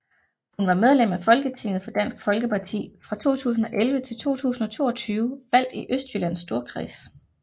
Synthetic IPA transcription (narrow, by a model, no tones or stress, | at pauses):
hunʋɑ̈með̞ˠlemæfɒ̽lɡ̥ət͡sʰe̝ŋ̰ð̩ˠfɒ̽d̥æn̰sɡ̥fɒ̽lɡ̥əpʰɑ̈t͡sʰḭːfʁɑ̈t͡sʰo̝̰ːt͡sʰṵːsn̩ɒ̽ʔelʋət͡sʰe̝lt͡sʰo̝̰ːt͡sʰṵːsn̩ɒ̽t͡sʰo̝̰ːɒ̽t͡sʰyːʊʋæl̰d̥iʔøsd̥jylæn̰sːd̥o̝ɐkʰʁḭːs